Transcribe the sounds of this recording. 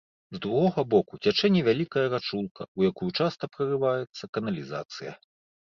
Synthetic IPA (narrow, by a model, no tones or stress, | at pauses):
zd̪ɾuɣɔɣɐbɔkut͡sʲat͡ʂɛnʲivʲalʲikɐjɐɾat͡ʂulˠkʰɐujakujut͡ʂast̪ɐpɾɐrɨvajɛt̪sːɐkɐnɐlʲiza̰t̪sɨjɐ̰